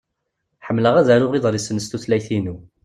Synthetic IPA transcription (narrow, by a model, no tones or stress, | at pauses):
ħəmːləʁæðæɾʊʁiðˤɾˤisənəst̪uθlæjθinu